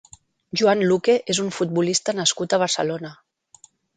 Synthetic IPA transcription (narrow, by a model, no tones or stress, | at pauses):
ʒuanlukeʔezuɱfut̪̚bulist̪ənəskut̪əβ̞əɾsəlonə